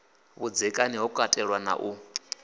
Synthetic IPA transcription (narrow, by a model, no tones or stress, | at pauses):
βud͡zɛkʼaniɦɔkʼatʼɛɺwana̰ʔu